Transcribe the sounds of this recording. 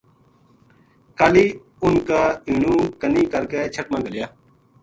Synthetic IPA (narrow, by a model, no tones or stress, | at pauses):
kaːliː | ʊnkaːĩːnũːkənĩːkəɾkeːt͡ʃʰəʈ̚mãːɡəljaː